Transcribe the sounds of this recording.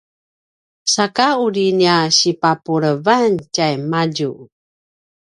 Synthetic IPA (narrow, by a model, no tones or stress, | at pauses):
sakaudiniaɕipapuɾəvancajmaɟu